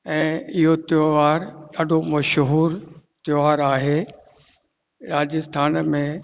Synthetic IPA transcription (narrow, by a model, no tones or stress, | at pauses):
ɛ̃ːɪɦot̪joaːɾɗaːɖʱomɐʃɦuːɾt̪joaːɾaːɦeː | ɾaːd͡ʑəst̪ʰaːnmẽ